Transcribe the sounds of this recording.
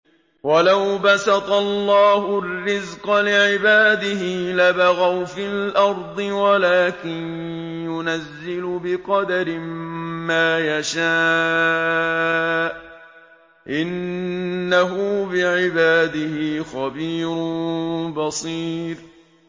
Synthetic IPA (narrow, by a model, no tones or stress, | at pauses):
walawbasɑt̪ˤɑllːɑːɦʊrːɪzqɑlɪʕɪbaːd̪ɪhiːlabaɣawfilʔɑɾˤd̪ˤɨwalaːkɪnjʊnazːɪlʊbɪqɑd̪aɾɪmmaːjaʃaː | ʔ | ʔɪnː | aɦʊbɪʕɪbaːd̪ɪhɪːxabiːɾʊbɑsˤiːɾ